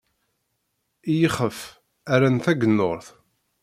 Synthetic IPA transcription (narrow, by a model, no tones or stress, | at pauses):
ijəχəf | æɾænθæɡənːoɾˤθ